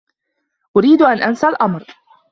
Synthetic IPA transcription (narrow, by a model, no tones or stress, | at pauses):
ʔʊɾiːd̪ʔanʔansalʔamɾ